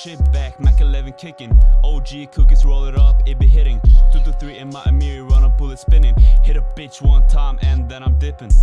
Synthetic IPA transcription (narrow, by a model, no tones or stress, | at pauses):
t͡ʃɪp̚b̥æk̚mækəlɛvɨ̃nkʰɪkɨ̃noʊlˠd͡ʒikʰʊkɨzɹoʊlˠɨɾʌpɪbiɦɪɾɪ̃ŋtʰuðəθɹiɨ̃nmaɪʔəmɪɹiɹʌ̃nəb̥ʊlˠətspɪ̃nɪ̃ŋhɪɾʌb̥ɪt͡ʃwʌ̃ntʰãɪ̃mʔɨ̃nðɛ̃ñãɪ̃mdɪpɨ̃n